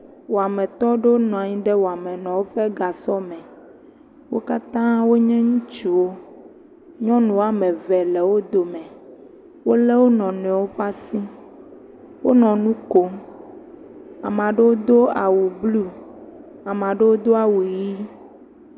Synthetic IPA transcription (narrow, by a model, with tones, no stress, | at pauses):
wo˨a˨mɛ̃˨t̪ɔ˦ɖe˦wo˦nɔ̃˨ã˨ɲĩ˦ɖɛ˦wo˨a˨mɛ̃˨nɔ̃˨wo˦ɸɛ˦ɡa˨sɔ˦mɛ̃˨ | wo˦ka˦t̪ã˦wo˦ɲɛ̃˦ŋũ˦t͡ʃu˨wo˦ | ɲɔ̃˦nũ˨wa˦mɛ̃˨vɛ˨lɛ˨wo˦d̪o˨mɛ̃˨ | wo˦le˦wo˦nɔ̃˨nɛ̃˨wo˦ɸa˦sĩ˦ | wo˦nɔ̃˨nũ˦ko˦ | a˨m˨ã˨ɖe˦wo˦d̪o˦a˨wu˨blu˦ | a˨mã˨ɖe˦wo˦d̪o˦a˨wu˨ji˦